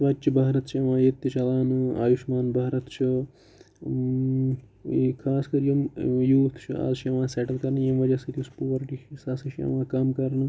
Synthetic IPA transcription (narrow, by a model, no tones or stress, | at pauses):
sʋɐt͡ʃibaːɾɐt̪t͡ʃʰiɐʋãːjet̪jɐt͡ʃʰɐlaːnɨa̰ːjiʃmaːnbʱaːɾɐt̪t͡ʃʰi | kʰaːskɐɾjimjuːt̪ʰt͡ʃʰḭa̰ːzt͡ʃʰiɐʋãːseːʈɐlkɐɾnɨjimʋɐd͡ʒɐsɐt̪jispoːɾʈit͡ʃʰisasɐt͡ʃʰiɐ̰ʋãːkaːmkɐɾnɨ